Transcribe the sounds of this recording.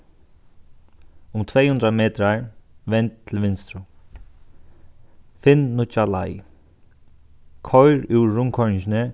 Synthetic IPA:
ʊmt̪ʰveːhʉnd̪ɾameːt̪ɾaɹʋɛnt̪ʰːɪlʋɪnst̪ɾʊ | fɪnːʊt͡ʃala̰j | kʰɔjɾuwːʊŋkʰɔɹnɪɲʃɪnɪ

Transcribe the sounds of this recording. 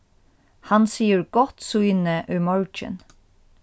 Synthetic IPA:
hɑnsiːəɹɡ̥ɔt̪sʉʏnəʔʉːmɔɹt͡ʃə̰n

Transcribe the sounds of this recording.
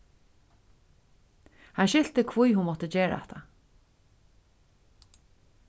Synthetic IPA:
hanʃɪl̥t̪əkʰvujhʊnmɔt̪əd͡ʑeːɹa̰ɛ̰t̪ʰa̰

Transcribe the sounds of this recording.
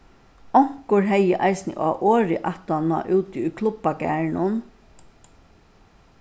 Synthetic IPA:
ɔŋ̥kʊɹɦɛjːəʔaɪsnə̰ʔa̰ːʔoːɾɪʔaht̪ana̰ʔʉːt̪ɪʊjkʰlʊpakæ̰ːɳʊn

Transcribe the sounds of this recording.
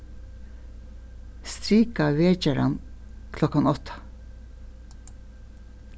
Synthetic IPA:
st̪ɾiːkaʋeːt͡ʃaɾa̰nkʰlɔkanɔt̪ʰḁ

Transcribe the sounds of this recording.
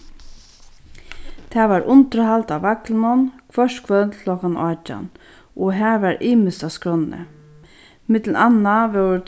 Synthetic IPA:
t̪ʰaːʋaːɹʔʊnt̪əɾhalt̪aaklnʊnkʰvœʂtkʰvœt̪ʰlɔkanat͡ʃa̰n | ʔɔɦæːɹʋaɹʔiːmɪst̪askɹɔnːə̰ | mɪt̪l̩anaʋɛ

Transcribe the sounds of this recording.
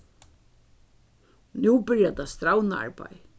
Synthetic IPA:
nuːbɪɹjat̪ast̪ɾawnaa̰ɹba̰j

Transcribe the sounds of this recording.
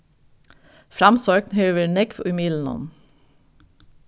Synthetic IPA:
fɾɑmsøːknhøːʋəɳɛkfo̰ːʏmiːln̩ɔ̰n

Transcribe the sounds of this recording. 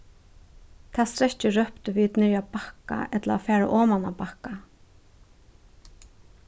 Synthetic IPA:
t̪ʰaːst̪ɾɛt͡ʃɪɹœhpt̪ʏʋiːt̪nɪɹjapaka̰ʔɛt̪laafɛːɹa̰ʔɔːmanapahka

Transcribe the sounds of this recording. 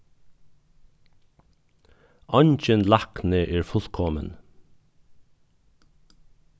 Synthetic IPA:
ɔɲc͡çənlɑkneːʔeːɹfʊlkʰɔmə̰n

